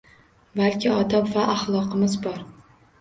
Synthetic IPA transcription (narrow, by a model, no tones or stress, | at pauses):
balkʲʰɪɒd̪apvaʔaχlˠɒqɨmɪzbɒɾ